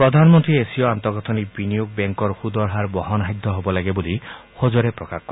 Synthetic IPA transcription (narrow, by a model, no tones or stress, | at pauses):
pɾɔd̪ʱanmɔnt̪ɾiesiɔant̪ɔɡɔt̪ʰɔnikbinijoɡ̚beŋkɔɾhud̪ɔɾɦaɾbɔɦɔnaɦid̪ʱːɔɦɔbɔlaɡebulihod͡ʒɔɾepɾɔkakkɔɾe